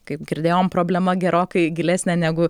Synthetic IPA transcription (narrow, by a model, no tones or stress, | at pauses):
kɐɪpɡʲɪɾʲd̪ʲeːjoːmpɾoːbʲlʲɛmɐɡʲɛɾoːkɐɪɡʲɪlʲæːsʲnʲɛnʲæːɡʊ